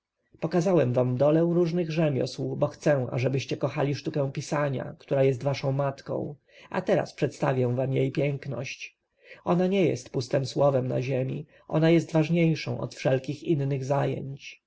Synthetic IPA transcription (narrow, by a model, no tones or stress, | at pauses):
pɔkazawɛmvamd̪ɔlɛ̃w̃ɾuʐnɘɣʐɛmʲjɔ̰swubɔxt̪sɛw̃a̰ʐɛbɘɕt͡ɕɛkɔxalʲiʂt̪ukɛ̃w̃pʲisaɲa̰kt̪uɾajɛs̬t̪vaʂɔ̃w̃mat̪kɔ̰̃w̃ | a̰t̪ɛɾa̰spʂɛt̪st̪avʲjɛ̃vamjejpʲjɛŋknɔ̰ɕt͡ɕ | ʔɔnaɲɛjɛ̰st̪pust̪ɛmswɔvɛmna̰ʑemʲḭ | ʔɔ̰najɛst̪vaʐɲejʂɔ̃w̃ʔɔ̰t̪fʂɛlkʲixinːɘɣzajɛ̰ɲt͡ɕ